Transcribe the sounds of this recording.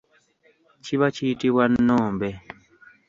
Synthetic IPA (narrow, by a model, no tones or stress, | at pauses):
t͡ʃiβat͡ʃiːtiβwanːɔːmbɛ